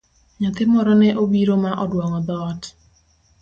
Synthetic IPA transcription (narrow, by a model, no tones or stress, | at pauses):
ɲɔt̪ɪmɔɾɔnɛʔobiɾomaʔɔdwɔŋɔd̪ɔt